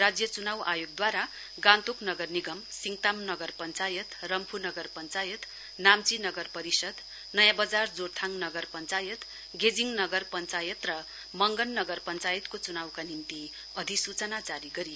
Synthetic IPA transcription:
rad͡zjʌt͡sunawʔajoɡ̚d̪waɾa | ɡãnt̪oknʌɡʌrniɡʌmsiŋt̪amnʌɡʌrpʌnt͡sajʌt̪rʌmpʰunʌɡʌrpʌnt͡sajʌt̪ | namt͡sinʌɡʌrpʌɾisʌd̪ | nʌjãbʌd͡zard͡zort̪ʰaŋnʌɡʌrpʌnt͡sajʌt̪ | ɡed͡ziŋnʌɡʌrpʌnt͡sajʌt̪rʌ | mʌŋɡʌnːʌɡʌrpʌnt͡sajʌt̪kot͡sunawkanimt̪i | ʌd̪ʱisut͡sʌnad͡zaɾiɡʌɾi

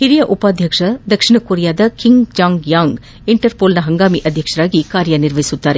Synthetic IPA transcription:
hɪɾijɐʔʊpaːd̪ʱjɐkʂɐd̪ɐkʂɪnɐkuːɾɪjaːd̪ɐkɪŋɡd͡ʒaːŋɡjaːŋɡ | ɪɳʈɐɾpoːlnɐɦɐŋɡaːmiʔɐd̪ʱjɐkʂɐɾaːɡikaːɾjɐnɪɾʋɐɪsut̪ːaːɾe

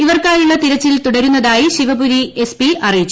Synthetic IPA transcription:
iʋɐrkaːjuɭːɐt̪iɾɐt͡ɕːilt̪uɽɐɾunːɐðaːjiɕiʋɐbuɾie̞spiʔɐrijit͡ɕːu

